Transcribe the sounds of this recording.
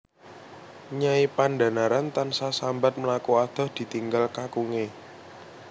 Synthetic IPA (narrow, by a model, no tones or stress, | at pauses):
ɲaipanɖa̤naɾant̪ansasambat̪̚məlakuad̪̥ɔ̤hd̪̥i̤t̪iŋɡalkakuŋe